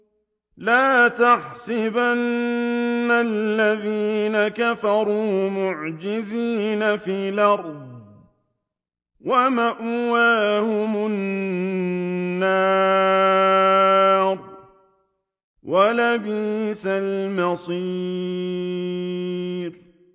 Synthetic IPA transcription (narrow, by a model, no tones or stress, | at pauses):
laːt̪aħsɪbanː | alːaðiːnakafɑɾˤuːmʊʕd͡ʒɪziːnafiːlɑɾˤd̚ | wamaʔwaːhʊmʊn | aː | ɾˤ | walabiːsalmɑsˤiː | ɾ